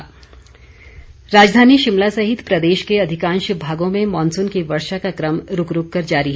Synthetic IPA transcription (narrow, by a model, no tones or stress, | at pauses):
ɾaːd͡ʒd̪ʱaːniʃɪmlasɐɦɪt̪pɾɐd̪eːʃkeɐd̪ʱɪkãːnʃbʱaːɡõmẽmɔːnsʊnkiʋɐɾʃakakɾɐmɾʊkɾʊkːɐɾd͡ʒaːɾiɦɛ